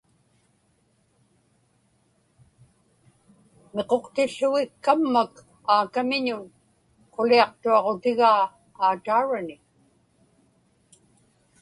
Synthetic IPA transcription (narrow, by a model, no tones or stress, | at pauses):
meqo̞qt̪ɪɬːʊɣɪkːamːak | aːkamɪɲʊn | qoliɑq̚t̪uɑʁo̞t̪ɪɣaː | t̪aːɻanɪ